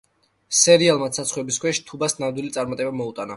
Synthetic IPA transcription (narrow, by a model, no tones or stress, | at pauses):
sɛɾialˠmat̪sʰat̪sʰχwɛbiskʰwɛʃi̥t̪ʰubasnamd̪wilit̪sʼaɾmat̪ʼɛbamɔut̪ʼana